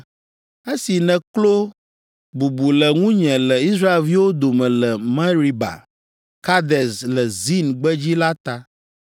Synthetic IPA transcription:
e˦si˨nɛ̃˨klo˦ | bu˨bu˨lɛ˨ŋũ˦ɲɛ̃˨lɛ˨i˦sɾa˦e˨lvi˦wo˦d̪o˨mɛ̃˨lɛ˨mɛ̃˦ɾi˦ba̰˨ | ka˦d̪ɛ˨slɛ˨zi˦nɡ͡bɛ˦d͡ʑi˦la˦t̪a˦

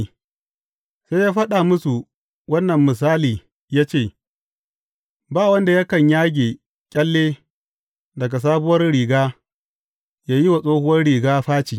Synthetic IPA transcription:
se˦jaː˦ɸɐ˦ɗa˨mʊ˦su˨ | wɐ˦nːɐ˨mːɪ˨s̬aː˦liː˨ | jaː˦t͡ʃeː˦˨ | baː˦˨wɐ˦nda˨ja˦kɐ˨ɲjaː˦ɡʲeː˨ | kʲʼɐ˦lːeː˦ | dɐ˨ɡa˨s̬aː˦bʊ˦wɐ˦rɽiː˨ɡaː˦ | jaː˦ji˦wa˨sʼoː˦hʊ˦wɐ˦rɽiː˨ɡaː˦ɸaː˦t͡ʃiː˨

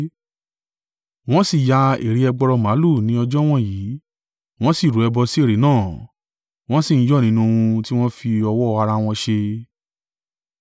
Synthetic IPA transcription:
w̃ɔ̃˦si˦˨ja˧ḛ˨ɾi˨˦ɛ˧ɡ͡bɔ˧ɾɔ˧mã˨˦lu˦˨nĩ˨˦ɔ˧d͡ʒɔ˦w̃ɔ̃˦jiː˨˦ | w̃ɔ̃˦si˦˨ɾu˨˦ɛ˧bɔ˧si˦e˦˨ɾe˨˦nãː˦˨ | w̃ɔ̃˦si˦˨n̩˦jɔ˦˨nĩ˨˦nũ˧ũ˧ti˦w̃ɔ̃˦fi˧ɔ˧wɔ˦˧a˧ɾa˧w̃ɔ̃˧ʃe˧

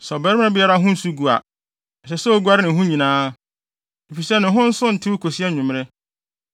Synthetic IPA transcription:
sɔ˨bɛ˦ɾɪ˦m˦ɪ̃˦bɪ˦ɛ˦ɾa˦ɦʊ̃˦n̩˦su˦ɡu˨a̰˨ | ɛ˨ɕɛ˨sɔ˦o˦ɡu˦a˦ɾɪ˦nɪ̃˨ɦʊ̃˦ɲĩ˨nãː˦ | e˨fi˨sɛ˦nɪ̃˨ɦʊ̃˦n̩˦sʊ̃˦n̩˨tʰɪ˦kʰo˨si˦ɛ˦ɲũ˨m˦ɾɪ˦

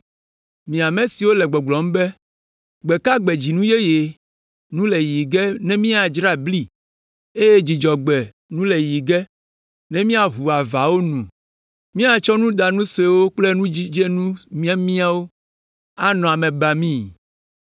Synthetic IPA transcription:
mĩ˨a˨mẽ˨si˨wo˦lɛ˨ɡ͡bɔ˨ɡ͡blɔ˨m˦bɛ˦ | ɡ͡bɛ˨ka˦ɡ͡bɛ˨d͡ʑi˨nũ˦je˦je˨ | nũ˦le˨ji˨ɡɛ˦nɛ̃˦mĩ˦a˨d͡ʒɾa˦bli˦ | e˦je˦d͡ʑi˨d͡ʒɔ˨ɡ͡bɛ˨ | nũ˦le˨ji˨ɡɛ˦ | nɛ̃˦mĩ˦a˨ɦu˨a˨va˨wo˦nũ˨ | mĩ˦a˨t͡ʃɔ˦nũ˦d̪a˨nũ˦se˨wo˦k͡ple˦nũ˦d͡ʑi˦d͡ʒe˦nũ˦mĩ˦a˦mĩ˦a˦wo˦ | a˦nɔ̃˨a˨mẽ˨ba˨mĩ˦˨

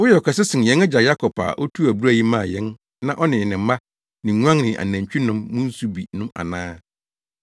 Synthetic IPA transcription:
wʊ˦jɛ˨ɔ˨kʰa˨sɪ˦sɪ̃˨jɛ̃˦nɛ˦d͡ʑa˨ja˦kʰɔ˨pʰa̰˨ʔɔ˦tʰu˦æ˨bu˦ɾæ˦ji˦mã˦˨jɛ̃˦n | nã˨ʔɔ˦nɪ̃˨nɪ̃˨m˦mã˦ | nɪ̃˨˦ɲ˦ã˦ŋnɪ̃˨ʔa̰˨næ̃˨t͡ɕᶣi˦nʊ̃˦mːʊ̃˦n̩˦su˦bi˨nʊ̃˦ma̰˨nãː˦

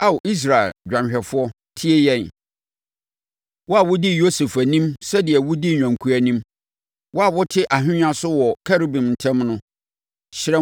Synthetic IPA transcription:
a˨wʊ˨ʔi˦s̬ɾa˨ɛ̰˨ld͡ʑᶣã˨ɕᶣɛ˨fʊ˦ɔ˦ | tʰɪ˦e˦jɛ̃˦˨n˨ | wɔ˦a˨wʊ˦dɪ˦jo˦se˨fæ˨nĩ˦msɛ˦dɪ˨ɛ˨wʊ˦di˦ɲᶣã˨ŋ˨kʰu˨æ˨nĩ˦m | wʔɔ˦a˨wʊ˦tʰɪ˦ʔa˨ɦᶣɪ̃˦ɲã˦sʊ˦wɔ˨kʰa˦ɾi˦bĩ˨mn̩˨tʰɛ̃˦mnʊ̃˦ | ɕɪ˦ɾɛ˦

